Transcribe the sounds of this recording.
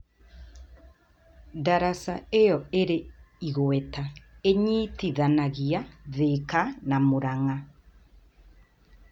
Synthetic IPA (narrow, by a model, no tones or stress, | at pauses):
daɾasaejɔeɾeiɣoɛtaeɲitiðanaɣiaðekanamoɾaŋa